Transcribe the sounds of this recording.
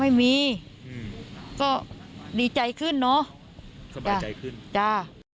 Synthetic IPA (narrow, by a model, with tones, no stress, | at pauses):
ma˥˩jmiː˧˦ | kɔː˧˥˩diː˨˦t͡ɕa˨jkʰɯ˥˩nːɔ˦˥ | t͡ɕa˧˩˨ɯ˥˩t͡ɕa˧˩